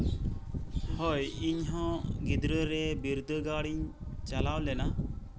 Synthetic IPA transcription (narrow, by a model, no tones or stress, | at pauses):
hɔjiɲɦɔ̃ɡid̪ɾəɾɛbiɾd̪əɡaɽiɲt͡ʃalawlɛna